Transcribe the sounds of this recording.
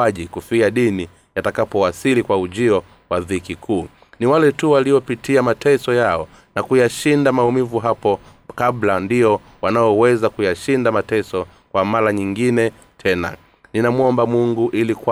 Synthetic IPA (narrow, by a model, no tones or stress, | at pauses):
aʄikufaɗini | jatakapɔwasilikwauʄiɔ | waðikikʰuː | niwalɛtuwaliɔpitiamatʰɛsɔjaɔ | nakujaʃindamaumivuɦapɔ | kablandiɔ | wanaɔwɛzakujaʃindamatɛsɔ | kwamaɾaɲiŋɡinɛ | tʰɛna̰ | ninamuɔmbamuŋɡuʔilikwa